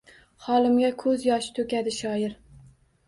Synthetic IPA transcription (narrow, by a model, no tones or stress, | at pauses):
hɒlˠɪmɡʲakʰɵzjɒʃɪ̥t̪ʰɵkʲad̪ɪʃɒɪɾ